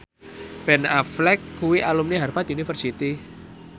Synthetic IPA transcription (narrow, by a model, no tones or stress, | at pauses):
pɛnaflɛkʰːuwiʔalumniɦarfat̪iunifərsit̪i